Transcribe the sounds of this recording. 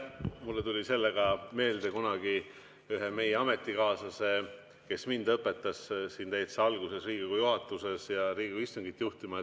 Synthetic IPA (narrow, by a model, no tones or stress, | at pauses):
mulːet̪ulʲise̞lːeɡ̥ɑme̞ːld̪ekunɑɡi | yɦeme̞jeɑme̞t̪ˑːikɑːsɑse̞ | ke̞smind̪̥ɤpːˑe̞t̪ːˑɑssint̪ejt̪seɑlɡ̥use̞sriːɡiɡujuɦɑt̪ːˑuse̞sjɑɾiːɡiɡuist̪uŋɡ̥it̪ːˑjuht̪imɑe